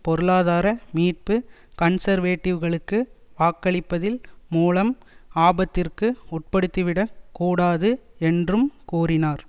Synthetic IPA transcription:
pɔɾɯɭaːðaːɾɐmiːʈ̚pɯ | kɐnsɐɾʋeːʈːɪʋɣɐɭɯkːɯʋaːkːɐɭɪpːɐðɪlmuːlɐm | aːbɐt̪ːɪrkɯʊʈ̚pɐɽɯt̪ːɯʋɪɽɐkuːɽaːðɯɛndrɯmkuːrɪnaːɾ

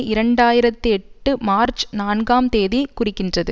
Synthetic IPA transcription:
ɪɾɐɳɖaːjɪɾɐt̪ːɯɛʈːɯmaːɾt͡ʃnaːnɡaːmt̪eːðikʊrɪkːɪndrɐðɯ

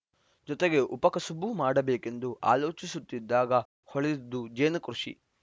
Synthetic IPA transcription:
d͡ʒɔt̪eɡe̞ʔupɐkɐsubumaːɽɐbeːke̞nd̪uʔa̰ːlo̞ːt͡ʃisut̪ːid̪ːaːɡɐ | hoɭid̪ːud͡ʒeːnɐkɾuʂḭ

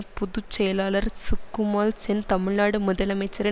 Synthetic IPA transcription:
pʊðut͡ʃːɛjɐlaːlɐɾsʊkːumaːlsɛnt̪ɐmɪɭnaːɽɯmʊðɐlɐmɐɪt͡ʃːɐɾɪ

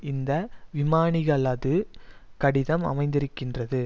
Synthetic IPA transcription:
ɪnd̪ɐʋɪmaːɳɪɣɐɭaːðɯkɐɽɪðɐmɐ̰mɐɪnd̪ɪɾɯkːɪndrɐðɯ

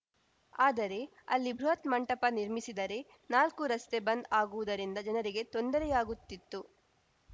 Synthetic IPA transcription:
aːd̪ɐɾe̞ | ɐ̰lːibʱɾuɦɐt̪mɐɳʈɐpɐniɾmisid̪ɐɾe̞ | naːlkuɾɐst̪e̞bɐnd̪aːɡuʋud̪ɐɾind̪ɐd͡ʒɐnɐɾiɡe̞t̪o̞nd̪ɐɾɛjaːɡut̪ːit̪ːu

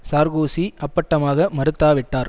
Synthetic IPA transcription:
saːɾɣoːsiɐpːɐʈːɐmaːɣɐmɐɾɯt̪ːaːʋɪʈːaːɾ

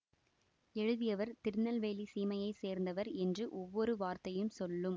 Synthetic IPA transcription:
ɛɻɯðɪjɐʋɐɾt̪ɪɾnɐlʋeːlisiːmɐjɐɪseːɾnd̪ɐʋɐɾɛndrɯʔɔʋːɔɾɯʋaːɾt̪ɐjɯmsɔlːɯm

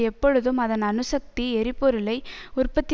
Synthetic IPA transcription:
ɛpːɔɻɯðɯmɐðɐnɐnɯsɐk̚t̪iɛɾɪpːɔɾɯlɐɪʊrpɐt̪ːɪ

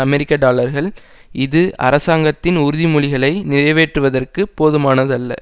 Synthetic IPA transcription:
ɐmɛɾɪkːaɖaːlɐɾɣɐɭ | ɪðɯɐ̰ɾɐsaːŋɡɐt̪ːɪnʊɾʊðimʊɭɪɣɐɭɐɪnɪɾɐɪʋeːʈrɯʋɐðɐrkɯpːoːðɯmaːnɐðɐlːɐ̰

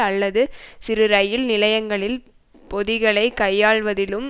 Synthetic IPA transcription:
ɐlːɐðɯsɪɾɯɾɐjɪlnɪlɐjɐŋɡɐɭɪl | pɔðɪɣɐɭɐɪkɐjːaːɭʋɐðɪlɯm

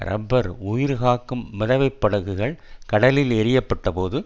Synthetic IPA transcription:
ɾʔɐ̰bːɐɾʊjɪɾɯɣaːkːɯmːɛðɐʋɐɪpːɐɽɐɣɯɣɐɭkɐɽɐlɪlɛɾɪjɐpːɐʈːɐpoːðɯ

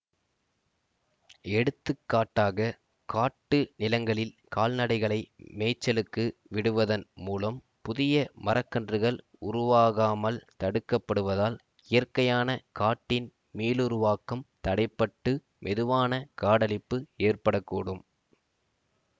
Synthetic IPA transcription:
ɛɽɯt̪ːɯkːaːʈːaːɣɐ | kaːʈːɯnɪlɐŋɡɐɭɪlkaːlnɐɽɐɪɣɐɭɐɪmɛːt͡ʃːɐlɯkːɯʋɪɽɯʋɐðɐnmuːlɐm | pʊðɪjɐmɐɾɐkːɐndrɯɣɐɭ | ʊɾʊʋaːɣaːmɐlt̪ɐɽɯkːɐpːɐɽɯʋɐðaːl | ɪjɐrkɐjaːnɐkaːʈːɪn | miːlʊɾʊʋaːkɐmt̪ɐɽɐɪpːɐʈːɯ | mʔɛðɯʋaːnɐkaːɽɐlɪpːɯeːrpɐɽɐkːuːɽɯm

